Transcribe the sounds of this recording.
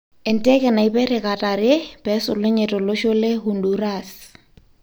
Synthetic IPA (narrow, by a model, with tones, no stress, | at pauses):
ɛ˨ntɛ˦kɛ˨na˨i˦pɛ˦ɾɪ˨ka˨ta˨ɾɪ˦pɛ˦sʊ˨le˦ɲe˨tɔ˨lo˦ʃo˦le˦hu˨ndu˨ɾa˨s